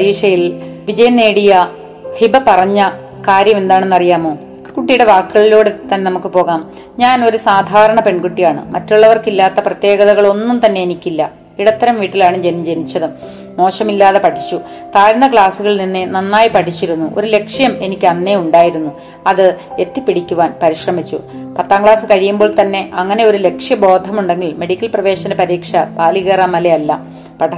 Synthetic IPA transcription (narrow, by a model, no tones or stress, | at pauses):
ɾiːʂɐjilʋid͡ʑɐjɐnːe̞ːɽijɐ | hibɐpɐrɐɲːɐ | kaːɾjɐme̞nd̪aːɳenːɐrijaːmo̞ː | kuʈːijuɽe̞ʋaːkːɨɣɐɭiloːɽet̪ːɐnːenɐmukːɨpo̞ːɣaːm | ɲaːno̞ɾusaːd̪ʱaːɾɐɳɐpe̞ɳkuʈːijaːɳɨ̰mɐtːuɭːɐʋɐrkilːaːt̪ːɐprɐt̪je̞ːɡɐðɐɣɐɭo̞nːumt̪ɐnːe̞enikʲːilːɐ | iɽɐt̪ːɐɾɐmʋiːʈːilaːɳemd͡ʑenmd͡ʑe̞nit͡ɕːɐðɨ | mo̞ːʂɐmilːaːðepɐʈʰit͡ɕːut̪aːɾnɐkɭaːsuɣɐɭninːɨnɐnːaːjipɐʈʰit͡ɕːiɾunːuʔo̞̰ɾule̞kʂjɐme̞nikʲːɨɐnːeuɳɖaːjiɾunːu | ɐðɨe̞t̪ːipːiɽikʲːuʋaːnpɐɾiɕrɐmit͡ɕːṵ | pɐt̪ːaːŋɡɭaːsɨkɐɻijumbo̞ːɭt̪ɐnːe̞ʔɐŋːɐne̞o̞ɾule̞kʂjɐbo̞ːd̪ʱɐmuɳɖe̞ŋɡilme̞ɽikʲːɐlprɐʋe̞ːɕɐnepɐɾiːkʂɐpaːliɣeːramɐlejɐlːɐ̰ | pɐʈʰɐ